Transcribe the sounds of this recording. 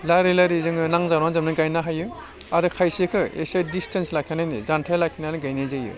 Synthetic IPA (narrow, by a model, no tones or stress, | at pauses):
laɾelaɾizɯŋɯnaŋzaɾazɯmnɯɡajnaɦajɯ | aɾɯkʰajsekʰɯḛsajdistʰenslakʰanajnizantʰajlakʰinaniɡajnezajɯ̰